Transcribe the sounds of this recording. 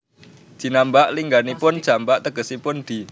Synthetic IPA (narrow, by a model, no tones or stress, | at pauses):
d͡ʒ̥i̤nambaʔliŋɡanipʊn̥ʒ̥a̤mbaʔt̪əɡ̥ə̤sipʊnd̪̥i̤